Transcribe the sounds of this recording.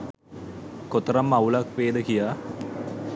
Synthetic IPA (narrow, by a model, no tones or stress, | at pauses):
kot̪əɾamːaulakʋeːd̪əkijaː